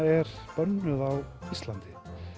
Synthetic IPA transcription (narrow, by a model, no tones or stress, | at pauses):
ɛɾ̥ | pœnːʏðawist̪lant̪ɪ̥